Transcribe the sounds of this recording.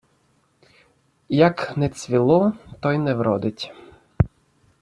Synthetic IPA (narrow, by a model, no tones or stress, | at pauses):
jɐknɛt͡sʲʋʲilˠɔt̪ɔjnɛwɾɔ̰d̪ɪtʲ